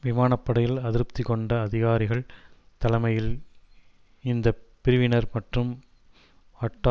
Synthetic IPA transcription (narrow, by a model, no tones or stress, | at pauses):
ʋɪmaːnɐpːɐɽɐjɪlɐðɪɾp̚t̪ɪkɔɳɖɐːðɪɣaːɾɪɣɐɭ | t̪ɐlɐmɐjɪl | ɪnd̪ɐpɪɾɯʋɪnɐɾmɐʈrɯm | ɐʈːa